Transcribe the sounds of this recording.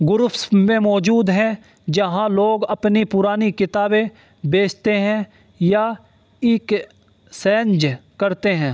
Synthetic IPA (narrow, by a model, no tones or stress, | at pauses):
ɡʊɾʊfsmẽmɔːd͡ʒuːd̪ɦɛ̃ | d͡ʒɐɦãloːɡɐpnipʊɾaːnikɪt̪aːbẽ | beːt͡ʃʰt̪eɦɛ̃ | ja | ɪːk | sɛːnd͡ʒkɐɾt̪eɦɛ̃ː